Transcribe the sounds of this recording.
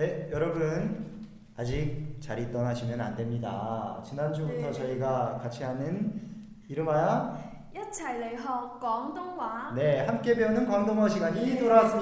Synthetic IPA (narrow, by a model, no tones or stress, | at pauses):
ne̞jʌɾʌbun | ad͡ʑik̚t͡ɕaɾit͈ʌnaɕʰimjʌna̰nde̞mɲida̰t͡ɕinand͡ʑubutʰʌt͡ɕʌiɡakat͡ɕʰiɦanɯn | iɾɯmaja | jʌt͡ɕʰaɭːeɦʌk͈wʌŋdoŋwane̞hamk͈e̞peonɯnkwaŋdoŋwaɕʰiɡaɲit͈oɾas